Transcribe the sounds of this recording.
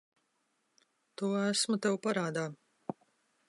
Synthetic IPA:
t̪uːæsmut̪ɛwpaɾaːd̪aː

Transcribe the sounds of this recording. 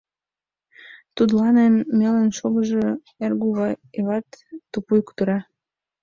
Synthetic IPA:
t̪ud̪lɑnenmelenʃoɣəʒo | erɡuβɑeβɑt̪ːupujkt̪uɾɑ

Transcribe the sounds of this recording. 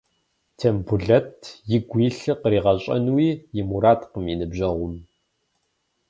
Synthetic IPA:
tʰembuɮɐtʰjɪɡʷiːɬɨqəɾiːʁɐɕʼɐ̰nwiːjɪmuɾaːtqəmjinɨbʒʑɐʁʷʊm

